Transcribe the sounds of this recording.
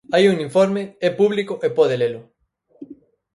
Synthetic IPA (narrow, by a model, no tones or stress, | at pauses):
ajuŋĩɱfoɾmeɛpuβlikʊʔepɔðelelʊ